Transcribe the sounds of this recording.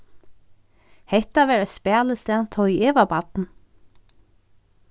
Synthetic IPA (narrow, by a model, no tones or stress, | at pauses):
hɛht̪aʋɛːɾaspɛːləst̪ɛːnt̪ʰɔieːʋabat̪n